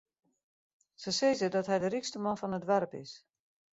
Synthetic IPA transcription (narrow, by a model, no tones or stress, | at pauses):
səsejzədɔtɦɛjdərikstəmɔnfɔnətʋɛɾpɪ̰s